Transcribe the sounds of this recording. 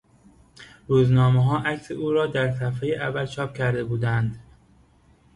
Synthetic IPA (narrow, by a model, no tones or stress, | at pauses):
ɾuːznɒːmeɦɒːʔækseuːɾɒːd̪æɾsæfhejeʔævːælt͡ʃʰɒːp̚cʰæɾd̪e̞buːd̪ænd̪